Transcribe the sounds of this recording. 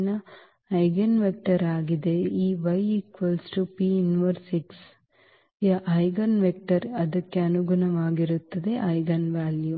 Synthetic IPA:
nɐ | ɐjɡɐnʋek̚ʈɐɾaːɡid̪e̞iːʋɐjikʋɐlsʈupiːunʋɐɾsiʈs | ʔɐjɡɐnʋek̚ʈɐɾɐd̪ɐkːeɐnuɡunɐʋaːɡiɾut̪ːɐd̪e̞ʔɐjɡɐnʋaːlju

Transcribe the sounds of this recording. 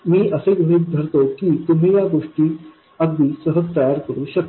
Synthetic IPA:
mĩːʔɐseɡunit̪̚d̪ʱɐɾt̪okit̪umɦẽjaɡoːʂʈi | ɐɡ̚bisəɦət̪ajaːɾkəɾuʃɐk̚

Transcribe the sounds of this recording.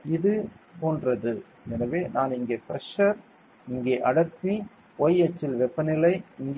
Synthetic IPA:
ɪðɯpoːndrɐðɯ | ɛnɐʋeːnaːnɪŋɡeːpɪɾɐʂɐɾ | ɪŋɡeːʔɐɽɐɾt̪i | ojɛt͡ʃːɪlʋɛpːɐnɪlɐɪɪŋɡ

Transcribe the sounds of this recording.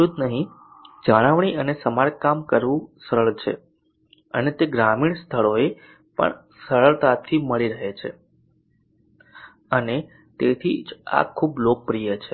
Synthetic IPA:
ud̪nəɦĩ | d͡ʒəɽ̃aʋɳ̃iənesəmaɾkamkəɾʋũsəɾəɭt͡ʃʰḛ | ə̰net̪eɡɾamiɳst̪ʰəɭoe | pə̰ɳ | səɾəɭt̪at̪ʰːiməɭiɾəɦet͡ʃʰḛ | əne | t̪et̪ʰḭd͡ʒa̰kʰːublok̚pɾijət͡ʃʰe

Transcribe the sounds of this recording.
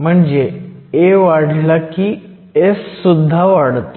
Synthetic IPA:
m̤əɳd͡ʑeeʋaɽ̤lakiː | essud̪ʱːaʋaɽt̪

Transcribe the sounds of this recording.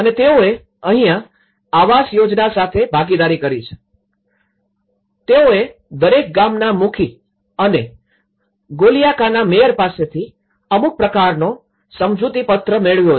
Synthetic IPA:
ənet̪eoe | əɦĩjã | aʋasjod͡ʒnasat̪ʰebʱaɡid̪aɾikəɾit͡ʃʰe̥ | t̪eoe | d̪əɾek̚ɡamnamukʰi | əne | ɡolijakanamejəɾpaset̪ʰi | əmuk̚pɾəkaɾno | səmd͡ʒut̪ipət̪ɾəmeɭʋjo

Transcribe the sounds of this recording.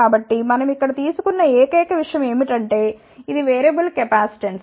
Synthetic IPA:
aːbɐʈːimɐnɐmikːɐɽɐt̪iːsukunːɐɛːkɐjɐkɐʋiʂɐjɐme̞ːmiʈɐɳʈe̞ː | id̪iʋeːɾɐbɐlkɛpaːsi̥ʈeɳs

